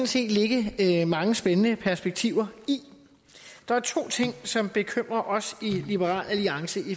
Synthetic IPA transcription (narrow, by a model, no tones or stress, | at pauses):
n̩se̝̰ːd̥le̝ɡ̥əmɑ̈ŋəsb̥enənəpʰæɐsb̥eɡ̥̚t͡sʰiʊ̰ɐi | d̥ɑ̈æɐt͡sʰo̝̰ːt͡sʰe̝ŋ̰sɒ̽mb̥e̝kʰøm̰ʁɐʔɒ̽silib̥əʁɑ̰̈ːlʔæliɑ̈ŋsəʔi